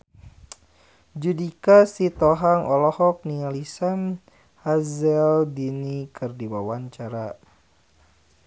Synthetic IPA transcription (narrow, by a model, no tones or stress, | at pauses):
d͡ʒudikasit̪ɔɦaŋʔɔlɔhɔk̚nialisan | hazɛldinikɨrdiwawaɲt͡ʃaɾa